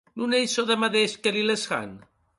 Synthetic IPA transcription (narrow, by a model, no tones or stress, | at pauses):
nunejsoðemaðeskelilesɣa̰n